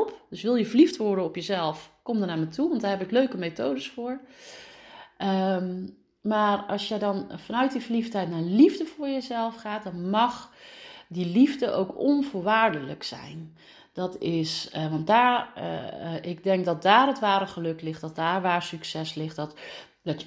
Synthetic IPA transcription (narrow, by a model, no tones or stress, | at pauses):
lˠpd̥ɵsʋɪlˠjəvəɹliftʋɔɹdənɔpjəzɛlˠfkɔmdənaːɹmətuʋɑntdaːɹɦɛpɪkløɥkəmetoːdəsfʊːɹ | ə | maːrɑlˠsjədɑnfɑnœɥt̚divəliftɦɛjtnaːɹlivdəvʊːɹjəzɛlˠfχaːt̚dɑnmɑχ | dilivdəʔo̰wkɔnvʊːɹʋaːɹdələksɛ̰jn | dɑtɪsʋɑntdaːɹ | ʔɪɡ̚dɛŋkdɑt̚daːrətʋaːɾəχəlɵklɪχt̚d̥ɔt̚daːɹʋaːɹsyksɛslɪχtdɑt | dɔt